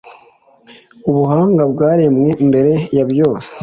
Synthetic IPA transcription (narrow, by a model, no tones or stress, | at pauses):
uβuɦaːŋɡabɡaːɾemwe̞mbe̞ɾe̞jabjo̞ːse̥